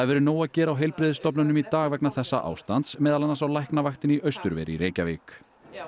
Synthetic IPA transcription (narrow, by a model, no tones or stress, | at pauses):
θaðvɛːɾʏnoːwaðcɛːɾawɦejlpɾɪðɪst̪ɔpnʏnʏmit̪aːɣvɛknaθɛsːa̰ʔa̰ːwst̪ant̪smɛːðalanːasawlajhknavajxt̪ɪniʔœɥst̪ʏɾvɛ̰ːɾḭɾeːjcavɪːk